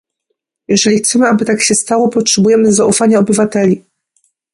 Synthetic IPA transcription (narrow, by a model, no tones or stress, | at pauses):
jɛʐɛlʲixt̪sɛmɘabɘt̪akɕɛst̪awɔpɔtʂɛbujɛmɘzaʔufaɲaɔbɘvat̪ɛlʲi